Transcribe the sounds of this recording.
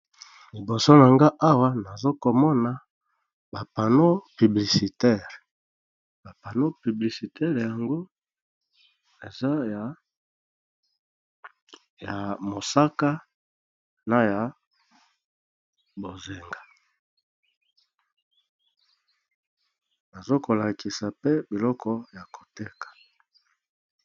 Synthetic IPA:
li˨bo˨so˦na˨ŋɡa˦ʔa˦wa˦na˨zo˦ko˨mɔ˦na˨ | ba˨pa˨no˦py˨bli˨si˨tɛ˦˨ʁ | ba˨pa˨no˦py˨bli˨si˨tɛ˦ʁja˨ŋɡo˦ | e˨za˦˨ | ja˨mo˨sa˦ka˦ | na˦ja˨ | bo˨ze˨ŋɡa˨ | ba˨zo˦ko˨la˨ki˨sa˨pe˦bi˨lɔ˦kʰɔ˦ja˨ko̥˨te˦kḁ˨

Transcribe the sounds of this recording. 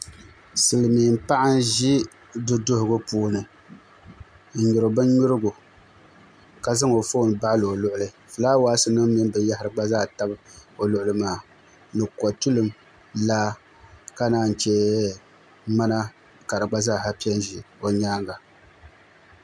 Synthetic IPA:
sɨ˨lɨ˨miː˨m̩˦pa˦ʔɪ˦n˦ʒi˦ | dʊ˦dʊ˦hʊ˦ɡʊ˦puː˦nɨ˨ | n̩˨ɲʊ˨ɾɨ˨bɨ˦ɲu˦ɾɨ˦ɡʊ˨ | ka˨za˦ŋo˨fo˦˨n˨ba˦ʔlɨ˨o˨lʊ˦ʔʊ˦lɨ˨ | fɨ˨laː˦waː˦sɨ˦nɨ˦ŋ˦mi˦m˦bɨ˨ja˦hɪ˨ɾɨ˨ɡ͡ba˦zaː˦˨ta˦bɨ˦o˨lʊ˨ʔʊ˨lɨ˦maː˨˦ | nɨ˨kɔ˨tu˦lɨ˨m | laː˦ | ka˦naː˦˨n̩˨t͡ʃɛ˦ | ma˦na˦ | ka˨ɾɨ˨ɡ͡ba˦zaː˦˨ha˦pi˦ɛ˦n˦ʒi˨o˨ɲaː˦ŋɡa˨

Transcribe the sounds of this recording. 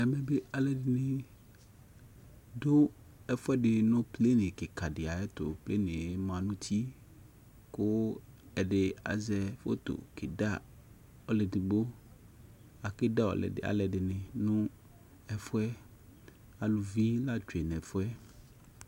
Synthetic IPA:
ɛ˨mẽ˨be˦a˨le˨dɪ˨nɪ̃˨ | do˦ | ɛ˦fʊ˦ɛ˦ɖɪ˨nʊ̃˦ple˦nẽ˨ke˨ka˨ɖɪ˨a˨e˦t̪o̰˨ple˦nẽ˨e˦mã˨nũ˦t̪ʰi˦ | ko˦ɛ˨ɖe˨a̰˨zɛ˨fo̰˦t̪o̰˨kḛ˨da˦˨ | ɔ˦le˨di˨bo˦ | a˨ke˦da˦wo̰˨lḛ˨ɖɪ̰˨a̰˨lɛ˨ɖɪ˨nɪ̃˨nʊ̃˦ | ɛ˦fʊ˦ɛ˦ | a˨lu˨vi˦la˦d͡ʒe˨nɛ̃˨fo˦ɛ˦

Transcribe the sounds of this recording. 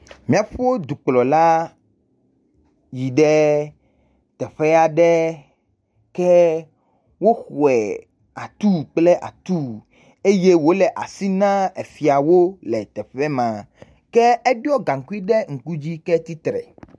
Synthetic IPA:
mĩ˦a˨ɸo˦d̪u˨k͡plɔ˨la˦ | ji˨ɖɛ˦ | t̪ɛ˨ɸɛ˦a˨ɖɛ˦ | kɛ˦ | wo˦xwɛ˨ | a˨t̪u˦k͡plɛ˦ʔa̰˨t̪u˦ | e˦je˦wo˦lɛ˨ʔa˨si˦nã˦e˨fi˨a˨wo˦lɛ˨t̪ɛ˨ɸɛ˦mã˨ | kɛ˦ɛ˦ɖɔ˦ɡã˨ŋ̩˨ku˦i˦ɖɛ˦ŋ̩˨ku˦d͡ʑi˦kɛ˦t̪i˦t̪ɾɛ̰˨

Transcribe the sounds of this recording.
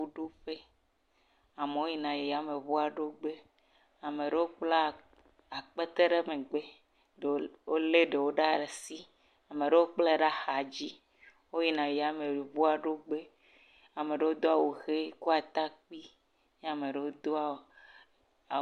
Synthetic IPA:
u˦ɖo˦ɸe˦ | a˨me˨wo˦ji˦˨nã˨je˨ja˦me˨vu˦a˨ɖo˦ɡ͡be˦ | a˨me˨ɖe˦wo˦k͡pla˦ | a˨k͡pe˦t̪e˦ɖe˦me˨ɡ͡be˦˨˦ | wo˦le˦ɖe˨wo˦ɖa˦˨le˨si˦ | a˨me˨ɖe˦wo˦k͡ple˦˨ɖa˦xa˨d͡ʑi˦ | wo˦ji˨nã˨je˨ja˨˦me˨vu˦a˨ɖo˦ɡ͡be˦ | a˨me˨ɖe˨wo˦d̪o˦a˨wo˨xe˦ku˦a˨t̪a˦k͡pi˦ | ɲe˦a˨me˨ɖe˨wo˦d̪o˦a˨

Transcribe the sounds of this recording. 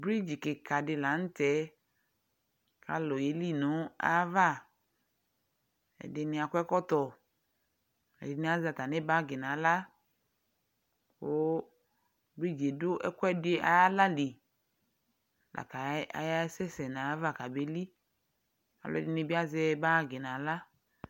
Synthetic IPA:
bɾi˦d͡ʒi˨kɪ˨ka˨dɪ˨la˨n̩˦t̪ɛ˨˦ | ka̰˨lɔ˨je˨li˦nʊ̃˨˦a̰˦va˦˨ | ɛ̰˨dɪ˨nɪ̃˨a˨kʊ˦ɛ˦kɔ˦t̪ɔ˨ | ɛ̰˨dɪ˨nɪ̃˦a˦za˨t̪a˨nɪ˦ba˦ɡɪ˨nã˨˦la˦ | o˦ | be˦˨d͡ʒe˨dʊ˦ʔɛ˦kʷɛ˦dʊ˦e˦ʔa˨a˦la˦li˨ | lʔa̰˨ka˨˦a̰˨ja˦sɛ˦sɛ˨na˨˦va˦˨ka˨be˨˦li˦ | a̰˨lɔ̰˨dɪ˦nɪ˦bi˦a˦zɛ˦ba˦˨ɡɪ˨nã˨˦la˦

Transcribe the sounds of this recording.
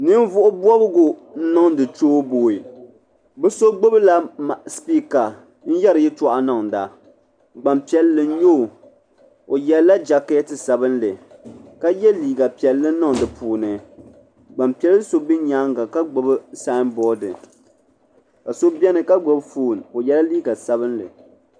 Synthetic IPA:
nɨ˦m˦vʊ˦ʔʊ˦bwɔ˦bɨ˦ɡʊ˨n̩˦nɔ˦ŋdɨ˨toː˦boː˨i˨ | bɨ˦so˦ɡ͡bo˦bɨ˦la˦ma˨ʔspiː˦ka˨ | n̩˦jɛ˦ɾɨ˨jɪ˦tɔ˨ʔa˨nɔ˨ŋ˨da˨ | ɡ͡ba˨mpi˨ɛ˨lːɨ˨n̩˦ɲo˦˨ | o˨jɛ˨lla˦d͡ʒa˨ke˦tɨ˨sa˨bɨ˦n˦lɨ˨ka˦jɛ˦liː˨ɡa˨pi˨ɛ˨lːɨ˦nɨ˦ŋ˨dɨ˨puː˨nɨ˨ | ɡ͡ba˨mpi˨˦ɛ˦lɨ˦so˦bi˦ɲa˦ŋɡa˨ka˦ɡ͡bo˨bɨ˦saː˦n˦bɔ˦dɨ˨ | ka˨so˦bɛ˦nɨ˨ka˦ɡ͡bo˦bfuː˦˨n˨o˨jɛ˦la˦liː˦ɡa˨sa˨βɨ˦nlɨ̰˨

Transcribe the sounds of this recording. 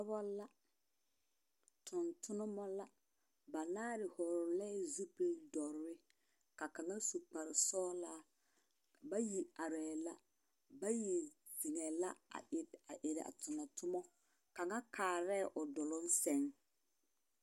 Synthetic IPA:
bɔ˦la˦ | tʰʊ˨ntʰʊ˦nʊ˦mɔ˦la˦ | ba˨naː˦ɾɪ˨hɔ˨ɾʊ˨lɛ˦zu˦pe˦dɔ˨ɾʊ˨ɾɪ˦ | ka˨ka˨ŋa˦su˨k͡pa˨ɾɪ˨sɔː˦la˦ | ba˦ji˨a˨ɾɛ˨la˦ | ba˦ji˨ | zi˨ŋɛ˨la˦a̰˨ʔɪ˨a˨ʔɪ˨ɾɪ̰˨a̰˨tʊ˨nɔ˨tʰʊ˦mɔ˦ | ka˨ŋa˦kʰaː˨ɾɛ˦˨ʔʊ˨dɔ˨lʊ˦n˦sɛ˦ŋ

